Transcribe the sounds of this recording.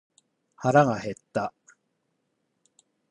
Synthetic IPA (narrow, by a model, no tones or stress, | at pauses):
haɾaɡahe̞t̪ːa